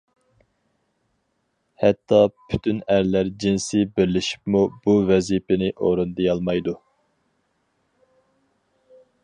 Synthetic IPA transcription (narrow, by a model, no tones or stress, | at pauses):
hɛt̪ʰːɑpʰy̥t̪ʰynæɾlæɾd͡ʒinsɪbɪɾlɪʃi̥pmub̥uvɛzipɪnɪʔoɾond̪ɨjɑlˠmɑjd̪u